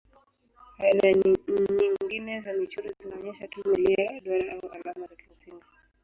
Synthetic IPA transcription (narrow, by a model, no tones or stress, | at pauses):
hajnaɲiŋɡinɛzamit͡ʃuɾizinaɔɲɛʃatumiliajaɗwaɾaʔauʔalamazakim̩sini